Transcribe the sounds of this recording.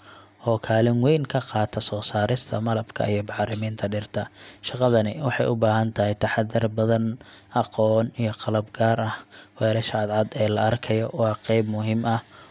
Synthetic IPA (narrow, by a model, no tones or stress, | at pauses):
ʔɔːkʰaːlɪnwɛjnkʰɐqɑːt̪ʰɐsɔːsaːɾɪst̪ʰɐmɐlɐbkʰɐ̰ʔijɔbɑħɾɪmiːnt̪ʰɐɖɪrt̪ʰɐʃɑqɑðɐnɪwɑħɑjʊbaːɦɐnt̪ʰɐɦɛjt̪ʰɐħɑd̪ːɪrbɐðɐnʔɑqɔːnijɞqɑlɐbɡaːɾɐhwɛːɾɐʃɐd̪ʕɑd̪ɛːlɐʔɐrkʰɐjɔwɑːqɛjbmʊɦɪmɐh